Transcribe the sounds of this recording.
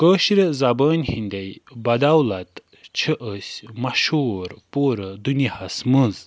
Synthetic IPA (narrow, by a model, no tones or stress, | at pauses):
kəːɕiɾəzabəːnʲhinʲd̪ʲejbɐd̪awlat̪ | t͡ʃʰəʔəsʲmaʃuɾpoːɾəd̪unihasməz